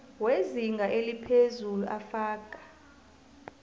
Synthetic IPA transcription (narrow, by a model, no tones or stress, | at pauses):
weziŋɡʱaʔelipʰezuluʔafaːkʼḁ